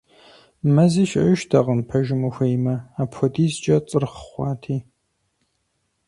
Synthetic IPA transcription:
mɐziːʃɐ̰ʃtʰɐʁənpʰɐʒɪmɨxʷejmɐaːpʰxʷɔdiːzd͡ʒʼɐt͡sʼɨrχə̥χʷɑːtʰiː

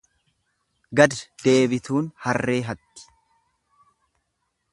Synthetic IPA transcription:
ɡɐd̪d̪̥e̞ːbɪt̪uːnhɐrːe̞ːɦɐt̪ːɪ̥

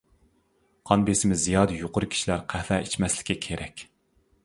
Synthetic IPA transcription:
qʰɑnbesɪmɪzijɑːd̪ɨjoqʊɾɨkʲʰi̥ʃilæɾqʰæhlɛit͡ʃmɛslɪ̥kʲʰːɛkʲʰeɾɛkʲ

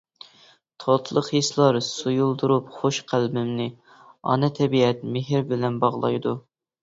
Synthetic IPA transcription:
t̪ʰɑt̪ʰlˠəqislˠɑɾsujulˠd̪uɾupχoʃqʰælbɪmnɪ | ɑ̰nɛt̪ʰɛbiɛt̪̚meɦɪɾbɪlɛnbɑʁlˠɑ̰jd̪u

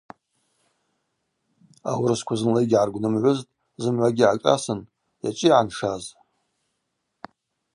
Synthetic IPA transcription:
a̰wɾɨskʷʰazɨnlejɡʲʕarɡʷnɨmʕʷʊztʼ | zɨmʕʷaɡʲiʕaʈ͡ʂʼa̰sɨn | ja̰t͡ʃʼɪjʕanʂaz

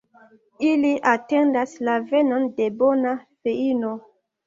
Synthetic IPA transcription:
iliʔatendaslavenondebonafeino

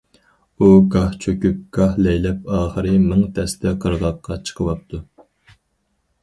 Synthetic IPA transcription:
uɡɑht͡ʃʰøkʲyp̚ɡ̥ɑhlɛjlɛp̚ɑːχəɾɨmɨŋt̪ʰɛst̪ɛqʰəɾʁɑqʰːɑt͡ʃʰə̥qʰəlˠɑp̚t̪ʰu

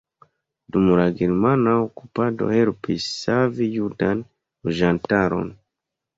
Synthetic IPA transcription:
dumlaɡeɾmanaokupado̞̰helpisːavijudan | uʒantaɾo̞̰n

